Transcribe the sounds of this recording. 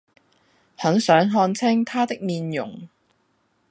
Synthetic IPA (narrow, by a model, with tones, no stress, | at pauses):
hɐ˨˥ŋsœː˨˥ŋɦɔː˧nt͡sʰɪ˥ŋt̪ʰaː˥t̪ɪ˥k̚miː˧njʊ̰˨˩ŋ